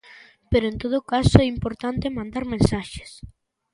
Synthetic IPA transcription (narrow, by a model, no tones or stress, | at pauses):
peɾoẽnt̪oð̞okasoɛimpoɾt̪ant̪emãnd̪aɾmẽnsaʃe̥s